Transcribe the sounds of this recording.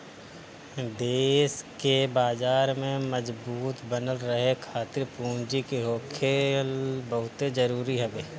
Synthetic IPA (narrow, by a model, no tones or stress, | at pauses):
d̪eːskebaːzaːɾmẽməd͡ʒbuːt̪bənəlɾəɦekʰaːt̪ɪɾpũːɲd͡ʒikeɦoːkʰelbəɦʊt̪ed͡ʒəɾuːɾiɦɛbeː